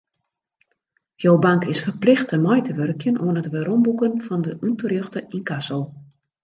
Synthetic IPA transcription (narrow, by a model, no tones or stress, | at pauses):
jowbaŋkɪsfərplɪxtəmɔjtʰəʋørkʰjənʔoənətʋəɾombukənfɔndəʔuntərjøxtəʔinkasol